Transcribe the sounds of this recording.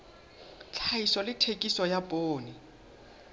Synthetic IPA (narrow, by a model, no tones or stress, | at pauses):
t͡ɬʰaisɔlɪtʰekʼisɔjapʼoːni